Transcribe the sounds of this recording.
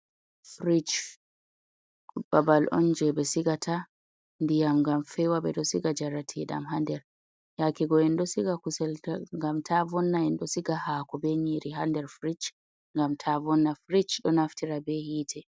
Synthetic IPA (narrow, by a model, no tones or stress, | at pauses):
fɾit͡ʃ | babalʔɔ̰nd͡ʒɛbɛsiɡatʰa | ndijamŋɡamfɛwaɓɛ̰ɗɔsiɡad͡ʒaɾatʰiɗa̰mhandɛɾ | jakiɡɔɛndɔsiɡakusɛltaŋɡamtʰavɔnːaɛnɗɔsiɡahaːkɔbɛɲiɾiɦandɛɾfɾit͡ʃ | ŋɡamtʰavɔnːafɾit͡ʃɗɔnaftʰiɾabɛhiːtʰɛ